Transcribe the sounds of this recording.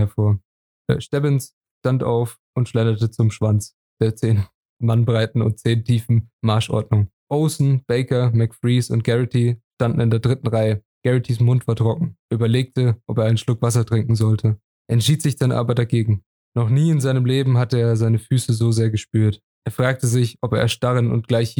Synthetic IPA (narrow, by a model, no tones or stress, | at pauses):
ɛɐfoːɐ | ɛ̰ʃtɛvɪns | ʃtantʔa̰ʊf | ʔʊntʃlɛnɐtət͡sʊmʃv̥ant͡s | d̥eːɐt͡seːn | manbʁaɪtn̩ʊ̰nt̚t͡seːntʰiːfn̩maɐʃʔɔ̰ɐdnʊŋ | ʔoʊsn̩b̥ɛɪkɐmɛkfʁiːsʊ̰nt̚ɡ̥ɛʁɪtʰiʃtandn̩ɪndeːɐdʁɪtn̩ʁaɪə | ɡ̥ɛʁitʰis̬mʊntv̥aːɐtʁ̥ɔkŋ̩ʔyːbɐleːk̚təʔɔpeːɐaɪnən̩ʃlʊkv̥as̬ɐtʁ̥ɪŋkŋ̩zɔltʰə | ʔɛntʃiːtz̥ɪçd̥anʔa̰ːbɐdaɡeːɡŋ̩ | nɔχniːɪnzaɪnəmleːbm̩ɦatəeːɐzaɪnəfyːsəzoːzeːɐɡəʃpyːɐt | ʔeːɐfʁ̥aːk̚təzɪçʔɔpḛːɐʃtaʁənʊ̰nt̚ɡ̥laɪç